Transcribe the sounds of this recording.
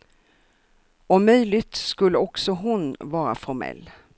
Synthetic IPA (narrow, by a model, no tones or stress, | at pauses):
ɔmːœjlɪɡ̚t̪skɵlːəɔksɔɦʊnvɑːɾa̰fɔɾmɛ̰lː